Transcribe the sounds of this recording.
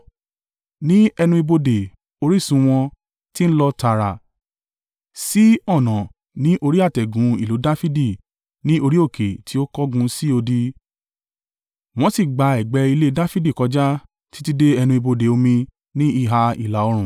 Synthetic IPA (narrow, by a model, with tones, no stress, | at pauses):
nĩ˦ɛ˧nũ˧i˧bo˧de˨ | o˧ɾi˦˨sũ˧w̃ɔ̃˧ | ti˦n̩˦lɔ˦ta˧˨ɾa˨ | si˦ɔ˦˨nɔ̃˨ | nĩ˦ʔo˧ɾi˦a˦˨tɛ˨ɡũ˨˦ḭ˦˨lo˨˦da˦fi˦di˦˨ | nĩ˦ʔo˧ɾi˦o˦˨kʰe˨tʰi˨˦o˦kɔ˦ɡũ˧si˦o˧di˧ | w̃ɔ̃˦si˦˨ɡ͡ba˧ɛ˨ɡ͡bɛ˧i˧le˦da˦fi˦di˦˨kɔ˧d͡ʒa˦ | ti̥˦ti˦de˦ɛ˧nũ˧i˧bo˧de˨o˧mĩ˧ | nĩ˦i˦˨ɦa˧ḭ˨la˨ɔ˧ɾ̃ũ˨